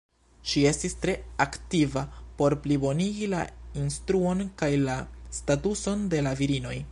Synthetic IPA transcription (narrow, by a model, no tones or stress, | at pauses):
ʃie̞stistɾe̞aktivapo̞ɾplibo̞niɡila̰instɾuo̞nkajlastatuso̞nde̞laviɾino̞j